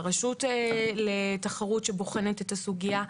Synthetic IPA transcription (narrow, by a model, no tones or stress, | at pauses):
ʁaʃutletaχaʁutʃeboχenetetasuɡia